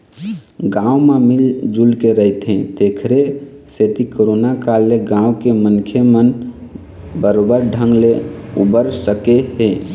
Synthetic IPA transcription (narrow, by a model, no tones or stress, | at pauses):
ɡãumemild͡ʒulkeɾəɦit̪ɦẽt̪ekʰɾe | set̪ikoɾonakalːeɡãukemənkʰemən | bəɾobəɾɖʱə̃ŋɡleubəɾsəkeɦe